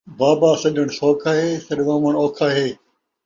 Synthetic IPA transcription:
baːbaːsɐɗəɽ̃soːkʰaːɦeːsɐɗʋãːməɽ̃oːkʰaːɦeː

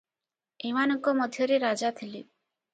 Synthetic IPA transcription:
emanɔŋkɔmɔd̪ʱjɔɾeɾad͡ʒat̪ʰili

